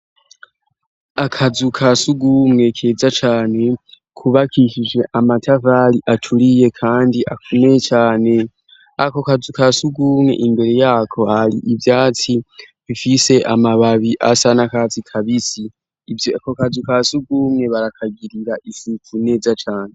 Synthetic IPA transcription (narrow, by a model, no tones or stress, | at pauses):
akʰazukʰasuɡumŋe̞kʰe̞ːzat͡ʃaːne̞ | kʰuβakʰiʃid͡ʒe̞ʔamatʰaβaliʔatʰulije̞kʰaːndiʔakʰumet͡ʃaːne̞ | ako̞kazukasuɡuːmŋe̞̰ʔimbe̞ɾe̞jaːkʰo̞halḭʔivjaːt͡si | βifise̞ʔamaβaβiʔa̰sanakat͡sikʰaβisi | kokazukasuɡuːmŋe̞βaɾakʰaɡiɾiɾaʔisukune̞ːzat͡ʃaːne̞